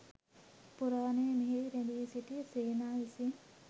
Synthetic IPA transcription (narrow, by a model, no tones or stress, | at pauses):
puɾaːnemeɦeɾediːsiʈ̪iseːnaːisi